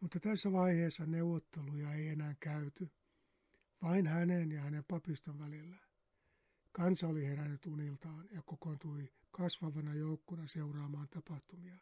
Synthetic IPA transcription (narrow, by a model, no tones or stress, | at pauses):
mut̪ːɑt̪æsːæʋɑiheːsːɑneuwot̪ːelujɑeienæːŋkæyt̪y | ʋɑinhænenjɑhænempɑpist̪oʋʋælilːæ | kɑnsɑoliherænːyt̪unilt̪ɑːnjɑkokont̪ui | kɑsʋɑʋɑnɑjoukːonɑseurɑːmɑːnt̪ɑpɑht̪umiɑ